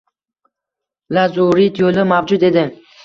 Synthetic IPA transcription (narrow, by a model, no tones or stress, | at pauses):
lazuɾit̪ʰolɪmavd͡ʒʊt̪e̞d̪ɪ